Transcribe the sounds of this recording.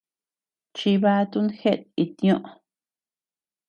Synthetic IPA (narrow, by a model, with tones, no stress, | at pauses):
t͡ʃi˧βa˦t̪u˦nxe˦t̪̚i˧t̪jõ˦˧ʔ